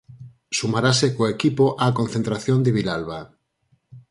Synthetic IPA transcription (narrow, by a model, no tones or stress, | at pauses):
sumaɾasekoekipoʔakonθent̪ɾaθjond̪eβilalβa